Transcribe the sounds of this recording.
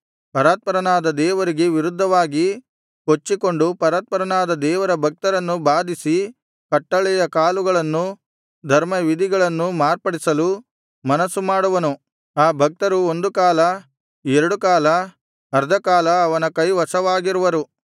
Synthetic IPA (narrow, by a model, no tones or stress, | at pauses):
pɐɾaːt̪̚pɐɾɐnaːd̪ɐd̪ɛːʋɐɾiɡe̞ʋiɾud̪ʱːɐʋaːɡi | ko̞t͡ʃːiko̞ɳɖupɐɾaːt̪̚pɐɾɐnaːd̪ɐd̪ɛːʋɐɾɐbʱɐk̚t̪ɐɾɐnːubaːd̪ʱisi | kɐʈːɐɭɛjɐkaːluɡɐɭɐnːu | d̪ʱɐɾmɐʋid̪ʱiɡɐɭɐnːumaːɾpɐɽisɐlu | mɐnɐsumaːɽuʋɐnu | aːbʱɐk̚t̪ɐɾuo̞nd̪ukaːlɐ | ɛɾɐɽukaːlɐ | ɐɾd̪ʱɐkaːlɐːʋɐnɐkɐjʋɐsɐʋaːɡiɾuʋɐɾu